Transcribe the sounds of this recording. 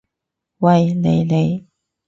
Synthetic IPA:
wɐ˨jne˨˧jle˨˧j

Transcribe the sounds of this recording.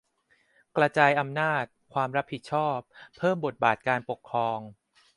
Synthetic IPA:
kɾa˧t͡ɕaː˧jʔa˧mnaː˥˩t̪̚kʰwaː˧mɾa˦˥pʰːi˨˩t̪̚t͡ɕʰɔː˥˩ppʰːɤː˥˩mbo˨˩t̪̚baː˨˩t̪̚kaː˧npo˨˩kʰːɾɔː˧ŋ

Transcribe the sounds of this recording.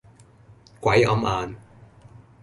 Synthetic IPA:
kʷɐ˨˥jʔɐ̰˨˥mʔaː˧n

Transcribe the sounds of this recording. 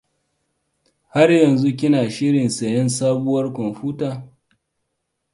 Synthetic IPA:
ha˦rjɐ˨nzu˦k̬ʲɪ˦naː˨ʃɪ˦ɽɪ˨nsɐ˨jɐ˦nsaː˦bʊ˦wɐ˦rkʷɔ˨nɸuː˦taː˨

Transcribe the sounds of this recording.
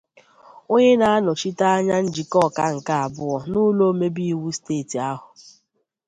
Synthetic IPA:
o˦ɲe˦na˨a˦nɔ˨t͡ʃi˦ta˦a˦ɲa˦n̩˦d͡ʒi˨kɔ˦˨ka˦ŋ̩˨ka˦a˨bʊ˦ɔ˨nu˦lo˦me˦bi˦i˦wu˦steː˦˨ti˨a˦ɦʊ˨

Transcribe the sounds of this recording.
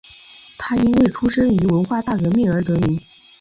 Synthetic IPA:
t̪ʰa˥i˥nwe˥˩ɪʈ͡ʂʰu˥ʂə˥ny˧˥wə˧˥nxwa˥˧t̪a˥˩kɤ˧˥mi˥˩ə˞˧˥t̪ɤ˧˥mi˧˥ŋ

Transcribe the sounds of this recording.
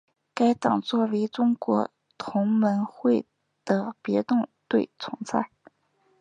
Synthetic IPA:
ka˥ɪt̪ɑ˨˩ŋt͡swɔ˥˩we˧˥ʈ͡ʂʊ˥ŋkwɔ˧˥ | t̪ʰʊ˧˥ŋmə˧˥nxwe˥˩ɪ | d̪̥ə˩pjɛ˧˥t̪ʊ˥˧ŋt̪we˥˩ɪt͡sʰʊ˧˥ŋt͡sʰa˥˩ɪ

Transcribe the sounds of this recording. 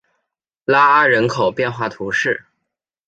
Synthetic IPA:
la˥a˥ɻə˧˥nkʰo˨˩ʊpjɛ˥˧nxwa˥˩t̪ʰu˧˥ʂɻ̩˥˩

